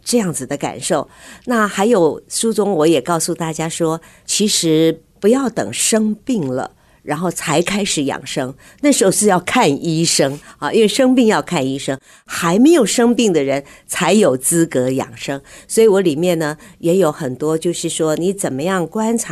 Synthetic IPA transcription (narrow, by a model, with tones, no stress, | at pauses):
ʈ͡ʂɤ˥˧jɑ˥˩ŋd͡zɹ̩˨˩d̪ə˦ka̰˨˩nʂo˥˩ʊna˥˩xa˧˥ɪjo˨˧˩ʊʂu˥t͡sʊ˥ŋwɔ˧˥jɛ˨˩kɑ˥˧ʊsu˥˧t̪a˥˩t͡ɕja˥ʂwɔ˥ | t͡ɕʰi˧˥ʂɻ̩˧˥ | pu˧˥jɑ˥˩ʊt̪ɤ̰˨˩ŋʂɤ˥ŋpi˥˩ŋlə̰˩ | ɻa˧˥nxo˥˩ʊt͡sʰa˧˥ɪkʰa˥ɪʂɻ̩˨˩jɑ̰˨˩ŋʂɤ˥ŋ | na˥˩ʂɻ̩˧˥xo˥˩ʂɻ̩˥˧jɑ˥˧ʊkʰa˥˩ni˥ʂɤ˥ŋɑ˧ʔi˥nwe˥˩ɪʂɤ˥ŋpi˥˧ŋjɑ˥˧ʊkʰa˥˩ni˥ʂɤ˥ŋ | xa˧˥ɪme˧˥ɪjo˨˩ʊʂɤ˥ŋpi˥˩ŋd̪ə˩ɻə˧˥nt͡sʰa˧˥ɪjo˨˩ʊt͡sɹ̩˥kɤ˧˥jɑ̰˨˩ŋʂɤ˥ŋswɔ˧˥i˨˧wɔ˧˥li˨˩mjɛ˥˩nnə˩jɛ˧˥jo˧˥ʊxə˨˩nt̪wɔ˥t͡ɕjo˥˧ʊʂɻ̩˥˩ʂwɔ˥ni˧˥t͡sə˨˩nmə˦jɑ˥˩ŋkwa˥nt͡sʰa˧˥